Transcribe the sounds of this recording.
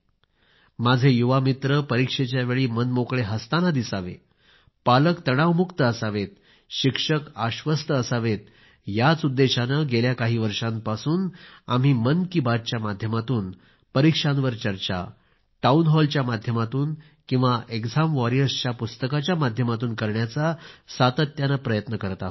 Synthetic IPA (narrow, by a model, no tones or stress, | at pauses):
mad͡zʱejuʋamit̪ɾəpəɾikʂet͡ɕjaʋeɭiːmənmokɭeɦəst̪anad̪isaʋḛ | paləkt̪əɽ̃aʋmukt̪əəsaʋet̪̚ | ɕikʂəkaɕʋəst̪əəsaʋet̪̚ | jat͡sud̪ːeɕanəɡeljakaɦiːʋəɾʂãmpasuːna̰m̤iːmənkibat̪̚t͡ɕjamad̪ʱjəmat̪uːn | pəɾikʂanʋəɾt͡ɕəɾt͡ɕa̰ | ʈaunɦɔlt͡ɕjamad̪ʱjəmat̪uːn | kĩw̃ʋaʔeɡd͡zʱamʋɔɾijəɾst͡ɕjapust̪əkat͡ɕjamad̪ʱjəmat̪̬uːnkəɾɳjat͡sasat̪ət̪janapɾəjət̪nəkəɾt̪a̰